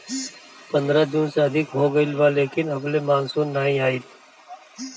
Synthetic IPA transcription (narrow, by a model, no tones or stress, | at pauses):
pə̃nd̪ɾad͡ʒuːnseəd̪ʱɪkɦoɡəɪlʋaleːkɪnəblemaːnsuːnːaːɦĩaːit̪